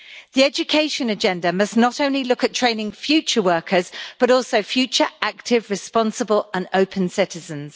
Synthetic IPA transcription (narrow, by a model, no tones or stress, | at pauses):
ðiɛd͡ʒəkʰeɪʃə̃nəd͡ʒɛ̃ndəmʌsnətə̃ʊ̃nlilʊkətʰɹ̥ẽɪ̃nɪ̃ŋfjʉˑt͡ʃəwɜˑkʰəzb̥ʌɾɔˑlˠsəʊfjʉˑt͡ʃəɹak̚tʰɪvɹɪspɒ̃nsəbələ̃nəʊpʰə̃nsɪtɪzə̃nz̥